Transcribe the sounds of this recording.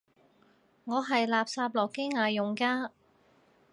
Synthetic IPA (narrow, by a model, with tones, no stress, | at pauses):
ŋɔː˨˧ɦɐ˨jlaː˨p̚saː˧p̚lɔː˨˩kːe˥jŋaː˨˧jʊ˨ŋkaː˧˥